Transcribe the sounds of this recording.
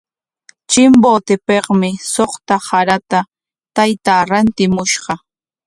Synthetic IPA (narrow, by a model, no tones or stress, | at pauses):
t͡ʃɪmboːt̪ɪpeχmɪsoχt̪ahaɾat̪a | t̪ajt̪aːɾant̪ɪmʊʃɢɑ